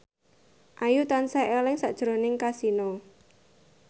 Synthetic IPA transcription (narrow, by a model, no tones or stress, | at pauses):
ʔajut̪ansaʔelɪŋsa̰ʔd̥ʒ̥ɾo̤nɪŋkasinɔ